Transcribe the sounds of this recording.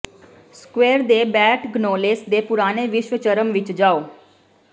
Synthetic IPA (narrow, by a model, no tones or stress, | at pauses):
skweːɾd̪eːbɛːʈɡnoːleːsd̪eːpʊɾaːneːʋɪʃʋət͡ʃəɾəmʋɪt͡ʃd͡ʒaːoː